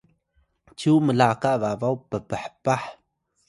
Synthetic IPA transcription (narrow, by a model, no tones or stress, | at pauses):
t͡ʃuməlakaʔvavawpəpəħpaħ